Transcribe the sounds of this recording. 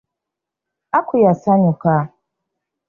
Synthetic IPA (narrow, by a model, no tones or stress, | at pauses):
akʊjasaɲʊka